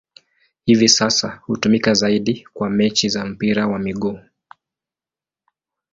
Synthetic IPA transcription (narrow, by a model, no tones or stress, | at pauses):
hivisasahutumikazaiɗikwamɛt͡ʃizam̩piɾawamiɠuː